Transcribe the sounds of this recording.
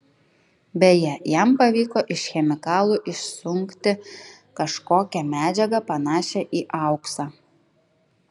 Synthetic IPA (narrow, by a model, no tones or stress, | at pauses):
bʲɛjɛjɛmpɐʋʲiːkoːʔɪʃxʲɛmʲɪkɑːlˠuːʔɪʃsʊŋʲkt̪ʲɪ | kɐʃkoːkʲɛmʲæːd͡ʒʲɛɡɐpɐnɑːʃʲɛʔiːʔɑˑʊksɑː